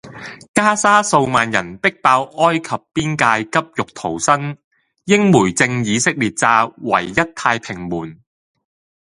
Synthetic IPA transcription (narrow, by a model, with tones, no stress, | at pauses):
kaː˥saː˥so˧wmaː˨njɐ˨˩npɪ˥k̚paː˧wʔɔː˥jkʰɐ˨pːiː˥nkaː˧jkɐ˥p̚jʊ˨k̚t̪ʰo˨˩wsɐ˥n | jɪ˥ŋmuː˨˩jt͡sɪ˧ŋjiː˨˧sɪ˥k̚liː˨˩t̚t͡saː˧wɐ̰˨˩jːɐ˥t̚t̪ʰaː˧jpʰɪ˨˩ŋmuː˨˩n